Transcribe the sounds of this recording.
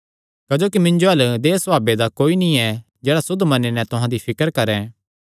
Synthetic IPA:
kɐd͡ʒoːkimɪ̃nd͡ʒoɦɐld̪eːsbaːbed̪akoːinĩɛ | d͡ʒeːɽasʊd̪ʱːmɐnenɛ̃t̪ʊɦãːd̪ipʰɪkəɾkɐɾɛ̃ː

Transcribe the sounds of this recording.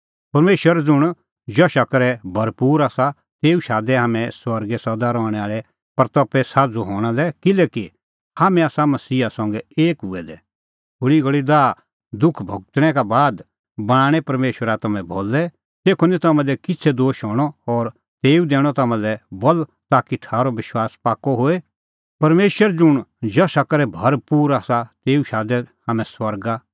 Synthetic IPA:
pɐɾmeːʃwəɾad͡zʊɽ̃ | d͡ʒɔʃɐkɾɛbʱɐɾpuːɾaːsa | t̪eːuʃaːd̪ɛɦaːmɛ̃swɐɾɡɛsɐd̪aɾɔːɽ̃ɛ̃aːɭɛ | pɐɾt̪ɔpɛsaːd͡zuɦɔːɽ̃alɛkɪlɛːki | haːmɛ̃aːsamɐsiːasɔ̃ŋɡɛeːkɦʊɛd̪ɛ | bʊɽiɡɐɭid̪aː | d̪ʊkʰbʱɐɡ̚t̪ɽ̃ɛkabaːd̪ | bɐɽ̃ãːɽ̃ɛpɐɾmeːʃwəɾat̪ɐmɛ̃bʱoːlɛ | t̪eːkʰonit̪ɐmãlɛkɪtsʰɛd̪oːʃɦɔːɽ̃ɔɔɾ | t̪eːud̪ɛːɽ̃ɔt̪ɐmãlɛbɔlt̪aːkit̪ʰaːɾɔʋɪʃwaːspaːkːɔɦoːe | pɐɾmeːʃwəɾd͡ʒʊɽ̃d͡ʒɐsakɐɾɛbʱɐɾpuːɾaːsat̪eːuʃaːd̪ɛhaːmɛ̃swɐɾɡa

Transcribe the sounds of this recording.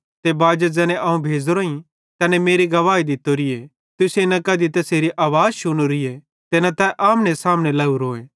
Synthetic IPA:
t̪ebaːd͡ʒəd͡zɛːnẽʔɐũbʱeːd͡zɾoĩ | t̪ɛnɛmeːɾiɡɐʋaːid̪ɪt̪oɾɪe | t̪ʊsenɐkɐd̪it̪ɐseːɾiʔaːʋaːzʃʊɽ̃uɾɪje | t̪enat̪ɛʔaːmnesaːmnelɐuɾoːẽː

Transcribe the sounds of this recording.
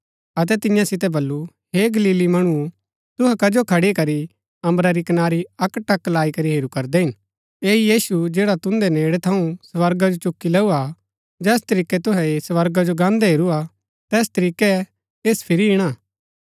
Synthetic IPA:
ɐt̪̬ɛt̪ɪ̃jãsɪt̪̬ɛbɐlːu | ɦeːɡɐliːlimɐɽ̃u | t̪ʊɦɛkɐd͡ʒokʰɐɽikɐɾi | ɐ̃mbɾaɾikɐnaːɾiɐkːʈɐkːlaːikɐɾiɦeːɾukɐɾd̪ɛɦɪn | eːijiːsud͡ʒeːɽat̪ʊ̃nd̪ɛneːɽɛt̪ʰɐũsʋɐɾɡad͡ʒot͡ʃʊkːilɛːua | d͡ʒɛːst̪ɐɾiːkɛt̪ʊɦɛesʋɐɾɡad͡ʒoɡãːnd̪ɛɦeːɾua | t̪ɛːst̪ɐɾiːkɛ | eːspʰɪɾiɪɽ̃aː

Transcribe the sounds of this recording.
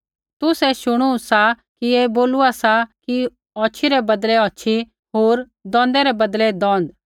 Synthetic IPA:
t̪ʊsɛʃʊɽ̃uũsa | kieboːluasaki | ɔːt͡ʃʰiɾɛbɐd̪lɛɔːt͡ʃʰi | ɦoːɾ | d̪ɔ̃ːnd̪ɛɾɛbɐd̪lɛd̪ɔ̃ːnd̪

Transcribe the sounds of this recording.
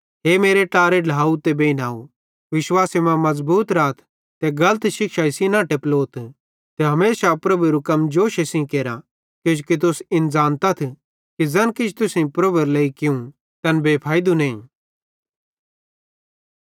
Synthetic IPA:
ɦeːmeːɾeʈaːɾelʱaːut̪ebeːinaːu | ʋɪʃwaːsemãmɐzbuːt̪ɾaːt̪ʰ | t̪eɡɐlət̪ʃɪkʃaɪsinãːʈeploːt̪ʰ | t̪eɦɐmeːsapɾɐbuɾukɐmd͡ʒoːʃesĩkeːɾa | kod͡ʒkit̪̬ʊsɪnzaːnt̪at̪ʰ | kid͡zɐnkɪd͡ʒʰt̪ʊsĩpɾɐbuɾleːikɪũ | t̪ɐnbeːpʰaːɪd̪unẽĩ

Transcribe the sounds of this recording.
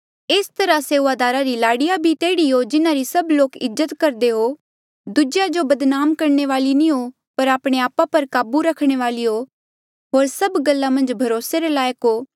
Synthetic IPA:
eːst̪ɐɾaseːʋad̪aːɾaɾilaːɽijabʱit̪eːɽiɦod͡ʒɪnãɾisɐbloːkɪzːət̪kɐɾd̪eɦo | d̪ʊd͡ʒjad͡ʒobɐd̪naːmkɐɾɳ̃eʋaːlinĩɦo | pɐɾaːpɽ̃eaːpapɐɾkaːbuɾɐkʰɽ̃eʋaːlio | ɦoːɾsɐbɡɐlːamɐ̃nd͡ʒbʱɐɾoːseɾelaːjəkɦoː

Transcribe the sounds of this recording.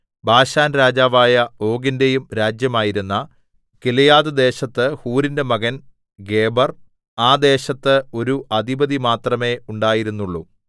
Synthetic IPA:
bʱaːɕaːnɾaːd͡ʑaːʋaːjɐo̞ːɡinde̞jumɾaːd͡ʑjɐmaːjiɾunːɐ | kilɐjaːðɨd̪e̞ːɕɐt̪ːɨhuːɾinde̞mɐɣɐn | ɡe̞ːbɐr | aːd̪e̞ːɕɐt̪ːɨo̞ɾuʔɐd̪ibɐðimaːt̪rɐme̞ːuɳɖaːjiɾunːuɭːṵ

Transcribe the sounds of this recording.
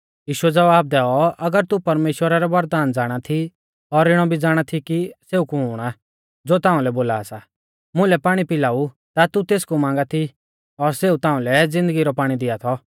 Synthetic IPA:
jiːʃʊɛd͡zɐʋaːb̚d̪ɛːɔʔɐɡəɾt̪upɐɾmeːʃwəɾaɾɛʋɐɾd̪aːnd͡zaːɽ̃at̪ʰi | ɔɾɪɽ̃ɔbʱid͡zaːɽ̃at̪ʰikiseːukuɦʊːɽ̃a | d͡zoːt̪ãːʊ̃lɛboːlaːsa | mʊ̃lɛpaːɽ̃ipɪlaːu | t̪at̪ut̪eːskumãːŋɡat̪ʰi | ɔɾseːut̪ãːũlɛd͡zɪ̃nd̪əɡiɾɔpaːɽ̃id̪ɪat̪ʰɔ

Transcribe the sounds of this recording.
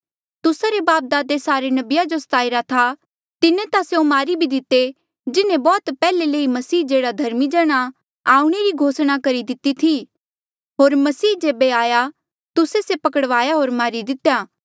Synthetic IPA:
t̪ʊsaɾebaːp̚d̪aːd̪esaːɾenɐbɪjad͡ʒost̪aːɪɾat̪ʰa | t̪ɪnẽt̪aseõmaːɾibʱid̪ɪt̪e | d͡ʒɪnẽbɔːt̪pɛːleləːimɐsiːd͡ʒeːɽad̪ʱɐɾmid͡ʒɐɽ̃a | aːuɽ̃eɾiɡʱoːsɽ̃akɐɾid̪ɪt̪it̪ʰi | ɦoːɾmɐsiːd͡ʒeːbeaːja | t̪ʊsesepɐkəɽʋaːjaɦoːɾmaːɾid̪ɪt̪jaː

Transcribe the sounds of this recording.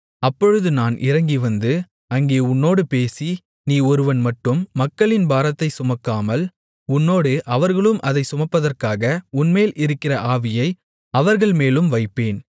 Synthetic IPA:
ɐpːɔɻɯðɯnaːnʔɪ̰ɾɐŋɡiʋɐnd̪ɯ | ɐŋɡeːʊnːoːɽɯpeːsi | niːɔɾɯʋɐnmɐʈːɯmːɐkːɐɭɪnbaːɾɐt̪ːɐɪsʊmɐkːaːmɐl | ʊnːoːɽɯʔɐʋɐɾɣɐɭɯmʔɐðɐɪsʊmɐpːɐðɐrkaːɣɐʊnmeːlʔɪɾɯkːɪrɐʔaːʋɪjɐɪ | ɐʋɐɾɣɐɭmeːlɯmʋɐɪpːeːn

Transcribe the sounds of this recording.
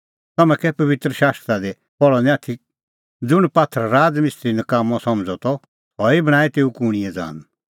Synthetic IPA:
t̪ɐmɛ̃kɛpɐʋɪt̪ɾəʃaːst̪ɾad̪e | pɔɭɔnɛ̃aːt̪ʰi | d͡zʊɽ̃paːt̪ʰːəɾɾaːd͡zmɪst̪ɾinɐkaːmɔ̃sɐ̃md͡zɔt̪ɔ | ɔibɐɽ̃aːit̪eːukuɽ̃iɛ̃d͡za̰ːn

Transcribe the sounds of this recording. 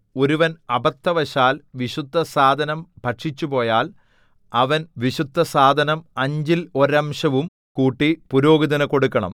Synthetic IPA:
o̞ɾuʋɐnɐbʱɐt̪ːɐʋɐɕaːlʋiɕud̪ʱːɐsaːd̪ʱɐnɐmbʱɐʈʂit͡ɕːupo̞ːjaːl | ɐʋɐnʋiɕud̪ʱːɐsaːd̪ʱɐnɐmɐɲd͡ʑilo̞ɾɐmʂɐʋum | kuːʈːipuɾoːɡid̪ɐnɐko̞ɽukːɐɳɐ̰m

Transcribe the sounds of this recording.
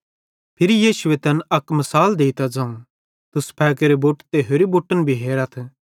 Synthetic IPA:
pʰɪɾijiːʃʊet̪ɐnɐkmɐsaːld̪eːit̪ad͡zãːũ | t̪ʊspʰɛːk̬eɾeboːʈt̪eːɦoːɾiboːʈːənbʱiɦeːɾɐt̪ʰ

